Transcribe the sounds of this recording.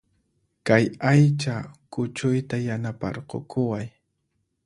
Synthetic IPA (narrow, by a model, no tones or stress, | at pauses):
kajajt͡ʃakʊt͡ʃʊjt̪ajanapɑ̰ɾqo̰kʊwaj